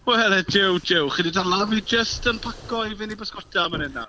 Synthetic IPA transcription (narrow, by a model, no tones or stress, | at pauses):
wɛlˠɛd͡ʒɪwd͡ʒɪwχədidalavid͡ʒəstənpʰakɔivɪnibəskɔtʰamənɪna